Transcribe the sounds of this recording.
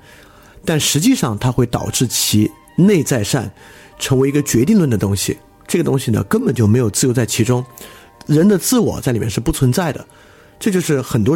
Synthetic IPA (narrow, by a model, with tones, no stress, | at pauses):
t̪a˥˩nʂɻ̩˧˥t͡ɕi˥˧ʂɑ˥˧ŋt̪ʰa˥xwe˥˩ɪt̪ɑ̰˨˩ʊʈ͡ʂɻ̩˥˩t͡ɕʰi˧˥ | ne˥˧ɪt͡sa˥˧ɪʂa̰˥˩n | ʈ͡ʂʰə˧˥ŋwi˧˥ɡə˧t͡ɕɥɛ˧˥t̪i˥˧ŋlwə˥˩nd̪ə˩t̪ʊ˥ŋɕḭ˨˩ | ʈ͡ʂɤ˥˩ɡə˩t̪ʊ˥ŋɕi˨˩nə̰˩kə˥nbə˨˩nt͡ɕjo˥˩ʊme˧˥ɪjʊt͡sɹ̩˥˧jo˥t͡sa˥˩ɪt͡ɕʰi˧˥ʈ͡ʂʊ˥ŋ | ɻə˧˥nd̪ə˧t͡sɹ̩˥˩wɔ̰˨˩˦t͡sa˥˩ɪli˨˩jɛ˥˧˩ʂɻ̩˥˧pu˥˩t͡sʰwə˧˥nt͡sa˥˩ɪd̪ə̰˩ | ʈ͡ʂɤ˥˧t͡ɕjo˥˧ʊʂɻ̩˥˩xə˨˩nt̪wɔ˥